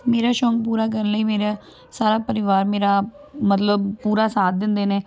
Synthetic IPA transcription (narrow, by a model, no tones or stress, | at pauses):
meːɾaːʃɔ̃ːŋɡ̚puːɾaːk̬əɾənləiːmeːɾaː | saːɾaːpəɾɪʋaːɾmeːɾaː | mət̪ləb̚puːɾaːsaːt̪̚d̪ɪnd̪eːneː